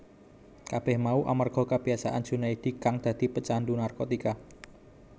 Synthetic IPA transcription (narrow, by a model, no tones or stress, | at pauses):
kab̥ɛhmauʔa̰marɡ̥ɔ̤kəb̥iasaʔan̥d͡ʒ̥ṳnaid̪̥i̤kaŋd̪̥ä̤d̪̥i̤pət͡ʃandunarkot̪ika